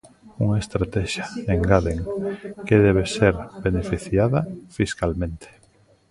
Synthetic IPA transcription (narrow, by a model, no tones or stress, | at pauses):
uŋaest̪ɾat̪ɛʃaeŋɡaðeŋkeðɛβ̞eseɾbenefiθjaðafiskalmẽnt̪ʰe̥